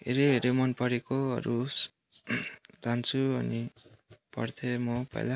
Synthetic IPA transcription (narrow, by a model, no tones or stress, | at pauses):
ɦḛɾeɦeɾemʌnpʌɾekoʌ̰ɾu | t̪ant͡sʰuʌnipʌ̰rt̪ʰemʌpʌ̰jla